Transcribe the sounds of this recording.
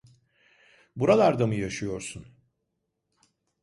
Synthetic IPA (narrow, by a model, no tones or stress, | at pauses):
buɾalˠaɾd̪amɯjaʃɯjo̞ɾsun